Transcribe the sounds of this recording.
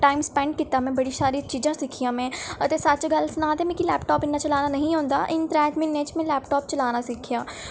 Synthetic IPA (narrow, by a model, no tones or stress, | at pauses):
ʈaːɪmspɛ̃ɳɖ̚kiːt̪aːmɛ̃ːbəɽiːsaːɾit͡ʃiːd͡ʒãːsɪkʰijãːmɛ̃ːt̪eːsət͡ʃɡəlsnãːt̪eːmɛ̃ːkilɛːpʈɔːpɪnːaːt͡ʃəlaːnaːnəɦĩɦõːnd̪a̰ːʔɪnt̪ɾɛ̃ːt̪mɪnːẽːt͡ʃmɛ̃ːlɛːpʈɔːpt͡ʃəlaːnaːsɪkʰijaː